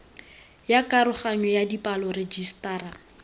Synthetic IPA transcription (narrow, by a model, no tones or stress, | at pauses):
jakʼaɾʊχaɲɔjadipʼalɔred͡ʒistaːɾa